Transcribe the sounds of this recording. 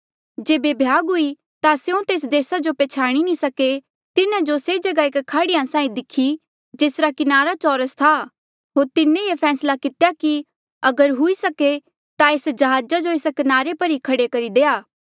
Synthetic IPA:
d͡ʒeːbebʱjaːɡɦʊi | t̪aseõt̪eːs̬d̪eːsad͡ʒopeːt͡ʃʰaːɽ̃inĩsɐke | t̪ɪnãd͡ʒoseːd͡ʒɐɡaɪkkʰaːɽɪjãsãːĩd̪ɪkʰːi | d͡ʒeːsɾakɪnaːɾat͡ʃɔːɾəst̪ʰa | ɦoːɾt̪ɪnẽjepʰɛːslakɪt̪jaki | ɐɡəɾɦʊisɐke | t̪aeːsd͡ʒɐɦaːd͡ʒad͡ʒoeːskɪnaːɾepɐɾikʰɐɽekɐɾid̪eːaː

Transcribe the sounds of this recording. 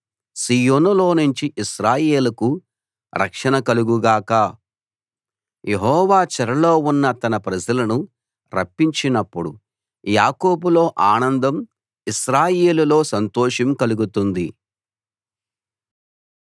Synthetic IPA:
siːjoːnulo̞ːnuɲt͡ʃiʔiʃɾaːjeːlɐku | ɾʔɐ̰kʂɐnɐkɐluɡuɡaːkɐ | jʔeɦɔːʋaːt͡ʃɐɾɐlo̞ːunːɐt̪ɐnɐpɾɐd͡ʒɐlɐnu | ɾɐ̰pːiɲt͡ʃinɐpːuɽu | jaːkoːbuloːʔaːnɐnd̪ɐm | iʃɾaːjeːlulo̞ːsɐnt̪oːʂɐmkɐluɡut̪und̪i

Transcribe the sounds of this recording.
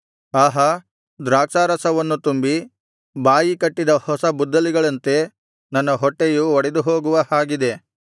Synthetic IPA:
aːɦɐ | d̪ɾaːksaːɾɐsɐʋɐnːut̪umbi | baːjikɐʈːid̪ɐhɔsɐbud̪ːɐliɡɐɭɐnt̪e̞ | nɐnːɐɦɔʈːejuɔɽed̪uɦoːɡuʋɐhaːɡid̪e̞

